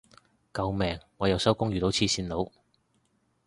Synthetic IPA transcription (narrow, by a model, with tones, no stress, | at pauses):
kɐ˨˧wmɛː˨ŋːɔː˨˧jɐ˨˧wsɐ˥wkʊ˥ŋjyː˨t̪o˨˥wt͡sʰiː˥siː˧nlo˨˧w